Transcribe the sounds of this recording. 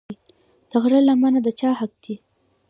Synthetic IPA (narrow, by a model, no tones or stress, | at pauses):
d̪̥əɣɾəlamanad̪ət͡ʃɑhak̚t̪i